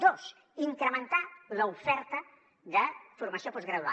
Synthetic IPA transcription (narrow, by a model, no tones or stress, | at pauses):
d̪os | iŋkɾəmənt̪aləufɛɾt̪ə | ðəfuɾməsiopɔzɣɾəðua̰